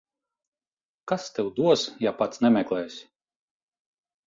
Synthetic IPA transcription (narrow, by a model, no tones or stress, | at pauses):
kast̪ɛwd̪uɔsjapat̪snɛmʲɛklˠɛːsʲ